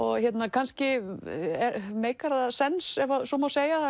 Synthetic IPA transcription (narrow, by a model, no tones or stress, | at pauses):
ɔɣçjɛt̪nakʰanscɪ | ɛɾmeːjkaɾðasɛnsɛvasɔmawseːja